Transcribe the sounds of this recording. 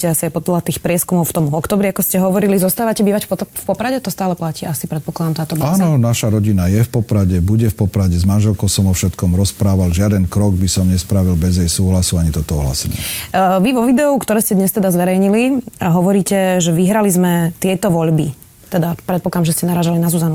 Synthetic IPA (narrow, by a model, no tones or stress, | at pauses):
cɛasiaɪpɔd̪lat̪iːxpɾɪɛskumɔʊft̪ɔmvɔkt̪ɔːbɾiakɔscɛɦɔʋɔɾilizɔst̪aːʋacɛbiːʋacffpɔpɾaɟɛt̪ɔst̪aːlɛplaciːʔasipɾɛt̪̚pɔklˠad̪amt̪aːt̪ɔbaaːnaɔnaʃaɾɔɟinajɛfpɔpɾaɟɛbuɟɛfpɔpɾaɟɛzmanʒɛlkɔʊsɔmɔfʃɛt̪kɔmɾɔspɾaːʋalʒɪad̪ɛnkɾɔɡbisɔmɲɛspɾaʋilbɛzɛjsuːɦlasuaɲit̪ɔt̪ɔɔ̰ɦla̰sɛɲɛ̰ʋiʋɔʋid̪ɛɔʊkt̪ɔɾɛːscɛd̪ɲɛst̪ɛd̪azʋɛɾɛjɲiliɦɔʋɔɾiːcɛʒɛʋiɦɾalizmɛt̪ɪɛt̪ɔʋɔʎbi | t̪ɛd̪apɾɛt̪pɔklad̪amʒɛscɛnaɾaːʒalinazuzanu